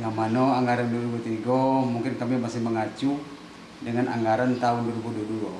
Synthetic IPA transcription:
jaŋmanɔaŋɡaɾanduaɾibut̪iɡɔmuŋkɪnkamimasɪməŋat͡ʃu | dəŋanʔa̰ŋɡaɾant̪aunduɔɾibuduadulɔ

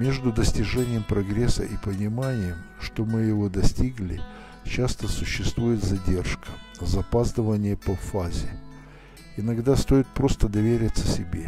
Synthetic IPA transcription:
mʲe̞ʐd̪ʊd̪əsʲtʲɪʐɛnʲɪjəmpɾɐɡɾʲesə̰ʔipənʲɪmanʲɪjəmʂt̪o̞mɨjɪvo̞d̪ɐsʲtʲiɡlʲɪ̰ | t͡ɕast̪əsʊɕːɪst̪vujɪt̪zɐdʲe̞rʂkə̥zɐpazd̪əvənʲɪjəpɐfazʲɪ | ɪnɐɡd̪ast̪o̞ɪt̪̚pɾo̞st̪əd̪ɐvʲeɾʲɪt̪sːəsʲɪbʲḛ

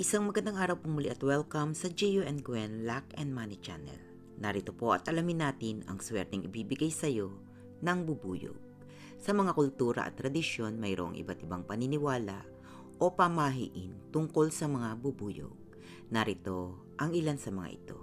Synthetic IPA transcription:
ʔɪsaŋmɐɡɐnd̪aŋʔaːɾɐwpoŋmʊliʔɐt̪wɛlkɐmsɐd͡ʒɛjuʔɛnɡwɛnlakɛnd̪̚manɪt͡ʃa̰nɛ̰l | nɐɾɪt̪o̞po̞ʔɐt̪ʔɐlamɪnːaːt̪ɪnɐ̰ŋswɛ̰ɾt̪ɛŋʔɪbiːbɪɡajsɐjo̞ | nɐŋbubuːjo̰ɡ̚ | sɐmɐŋakʊlt̪uːɾɐ̰ʔɐ̰t̪ːɾɐd̪ɪʃjo̞nmɐjɾoʔo̰ŋʔɪ̰bat̪ʔɪbaŋpɐnɪnɪwaːla̰ʔ | ʔo̞pɐmaɦḭʔɪnt̪ʊŋko̞lsɐmɐŋabubuːjo̰ɡ̚ | nɐɾɪt̪o̞ | ʔɐŋʔɪlansɐmɐŋa̰ʔɪ̰t̪o̞̰

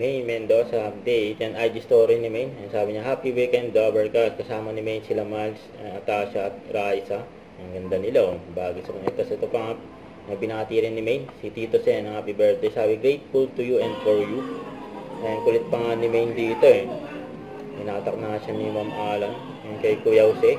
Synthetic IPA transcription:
mɛjmɛnd̪osɐp̚d̪ɛjɐnajd̪ɪst̪oːɾinɪmɛjnɛnsaːbɪɲaɦapiwikɛnd̪d̪abɛɹkaskɐsaːmɐnɪmɛjnsɪlɐmals | ɐɐt̪aːʃɐt̪̚ɾaːjsɐ | ɐŋɡɐnd̪anɪlabaːɡisɐkɐnɛt̪t̪ːɐsɛt̪opɐŋap̚ | nɐbɪnaːt̪iɾɪnːɪmejnsit̪iːt̪osɛnhaːpibɛɹt̪̚d̪ejsaːbiɡɾejt̪̚fult̪ujuʔɛ̃nd̪foɹju | ɐnkʊlɛt̪̚pɐŋanɪmejnd̪iːt̪oɛ | pɪnaːt̪ɐk̚naʃɐnimɐmʔaːlɐŋ | ɛnkɐjkujɐwsɛ

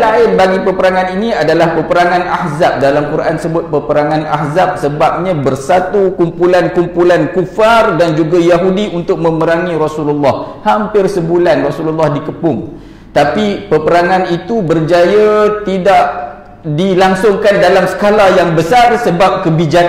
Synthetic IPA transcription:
laɪnbaɡipəpəɾaŋaniniadalahpəpəɾaŋanahzap̚dalamkuɾʔansəbʊt̪̚pəpəɾaŋana̰hzap̚səbap̚ɲãbərsat̪ukumpulankumpulankufardand͡ʒuɡajaɦudiunt̪ʊk̚mə̃məɾaŋĩɾɔsululːɑhhampɪrsəbulanrɔsululːahdikəpʊŋ | t̪apipəpəɾaŋanit̪ubərd͡ʒajat̪idaʔ | dilaŋsʊŋkandalamsə̥kalajaŋbəsarsəbap̚kəbid͡ʒak

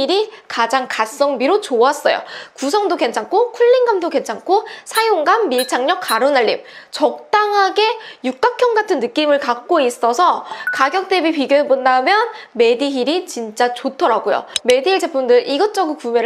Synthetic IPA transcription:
iɾikad͡ʑaŋkas͈ʌŋbiɾot͡ɕoas͈ʌjo̰kus̬ʰʌŋdoke̞nt͡ɕʰaŋkʰokʰuʎːinɡamdoke̞nt͡ɕʰaŋkʰosʰajoŋɡamːiɭt͡ɕʰaŋɲʌk̚kaɾonaɭːim̚t͡ɕʌk̚t͈aŋɦaɡe̞juk͈akʰjʌŋɡatʰɯnːɯk͈imɯɭkak̚k͈ois͈ʌsʰʌkaɡjʌk̚t͈e̞bipiɡjoɦebondamjʌnme̞diɦiɾit͡ɕint͡ɕ͈at͡ɕotʰʌɾaɡojo̰me̞diɭt͡ɕe̞pʰundɯɾʔiɡʌt͡ɕ͈ʌɡɯkume

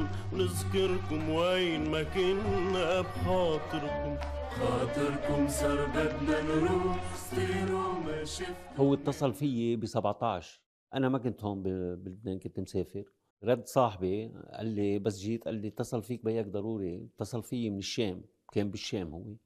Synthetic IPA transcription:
wnɪzkɪɾkʊmwejnmakɪnabxɑːt̪ˤɨɾkʊm | xɑːt̪ˤɨɾkʊmsɑɾˤd̪ad̪nanɾusiːɾumaʃɪhʊwːɪt̪ˤːɑsˤɑlfɪjːebisabʕt̪ˤɑʕʃ | ʔanamak̬ʊnt̪hoːmbibɪlɪbneːnkʊnt̪mseːfɪɾ | ɾˤɑd̪ːsˤɑːħbiʔa̰lːibasʒiːt̪ʔa̰lːit̪ˤːɑsˤɑlfiːk̚bajak̚d̪ˤɑɾˤuːɾit̪ˤːɑsˤɑlfɪjːemɪnɪʃːeːm | keːmbɪʃːeːmhʊ̰wːe

